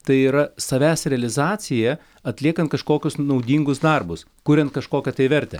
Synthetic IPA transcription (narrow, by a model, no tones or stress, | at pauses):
t̪ɐɪiːɾɐsɐʋʲæːsɾʲɛɐlʲɪzɑːsʲɪjɛ | ɐt̪ʲlʲiɛkɐnt̪kɐʃkoːkʲʊsnɒʊd̪ʲiːŋɡʊsd̪ɑrbʊs | kʊɾʲɛ̃nt̪̚kɐʃkoːkʲɛt̪ɐɪʋʲɛɾʲt̪ʲɛ̰